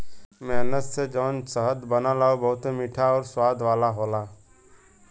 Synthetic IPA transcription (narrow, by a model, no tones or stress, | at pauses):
meːnət̪seːd͡ʒoːnsəɦəd̪bənãːlaːobəɦʊt̪eːmiːʈʰaːɔːɾswaːd̪ʋaːlaːɦoːlaː